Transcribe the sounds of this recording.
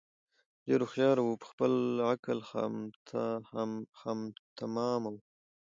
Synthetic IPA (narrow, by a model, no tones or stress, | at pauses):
deɾoxjɑɾawupə̥xpəlakəlxa̰mt̪ʰahaxamt̪ʰamɑmaw